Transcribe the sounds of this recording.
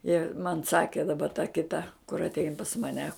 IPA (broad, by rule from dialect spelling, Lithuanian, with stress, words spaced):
jɪ mɐn ˈsɑːkʲeː dɐˈbɐ tɐ kʲɪˈtɐ kʊr ɐtʲˈɛɪn pɐs mɐˈnʲɛ